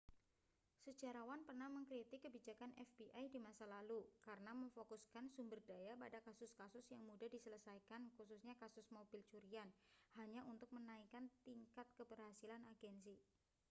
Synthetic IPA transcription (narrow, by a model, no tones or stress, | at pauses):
sət͡ʃaɾawanpərnahməŋkɾit̪ikːəbid͡ʒakanɛfb̥iʔajdimasalalukaɾənaməŋfokuskansumbərdajapadakasʊskasʊsjaŋmudadisələsajkankusʊsɲakasʊsmobɪlt͡ʃuɾianhaɲaʔunt̪ʊk̚mənaikant̪iŋkat̪̚kəbərɦasilanaɡɛnsi